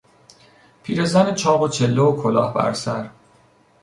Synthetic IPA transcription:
pʰiːɾe̞zænet͡ʃʰɒːɣot͡ʃʰelːookʰolɒːhbæ̰ɾsæɾ

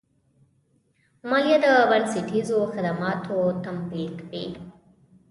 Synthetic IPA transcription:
maljad̪əbansiʈʰizoxad̪amɑt̪ʰot̪ampikb̪i

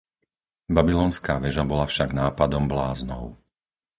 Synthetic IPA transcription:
babilɔːnskaːʋɛʒabɔlafʃaɡnaːpad̪ɔmblaːznɔ̰ʊ

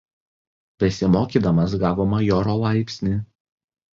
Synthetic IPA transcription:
pʲɛsʲɪmoːkʲiːd̪ɐmɐs̬ɡɑːʋoːmɐjoːɾoːlˠɑˑɪpʲsʲnʲiː

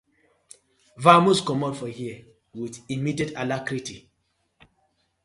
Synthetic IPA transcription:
vamuskɔmɔtfɔhiə | witimidetalakɾiti

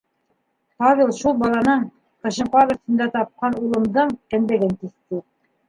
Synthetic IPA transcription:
pɑβʲilˠʃulˠbɑlˠɑnɤɴ | qɤ̆ʃɤ̆ɴqɑd̪ɤ̆t̪ɤ̆nd̪æt̪ɑp̚qɑnulˠɤ̆md̪ɤɴkæ̆nd̪ɘ̆ɡɘnt̪iθt̪ɘ

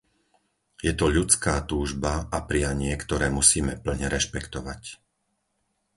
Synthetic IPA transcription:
jɛt̪ɔʎut͡skaːt̪uːʒbaapɾɪjaɲɪɛkt̪ɔɾɛːmusiːmɛpl̩ɲɛɾɛʃpɛkt̪ɔʋac

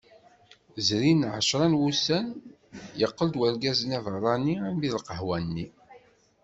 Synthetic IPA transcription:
zɾinʕə̰ʃɾˤɑnwusæn | jəqːəld̪wəɾɡæzənævəʁˤɑniæmviðlqəɦwænːi

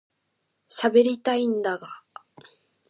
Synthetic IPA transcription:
ɕabe̞ɾʲit̪aĩnd̪aɡa

